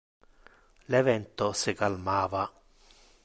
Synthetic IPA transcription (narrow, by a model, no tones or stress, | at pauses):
lɛvɛnt̪osɪkalmaːva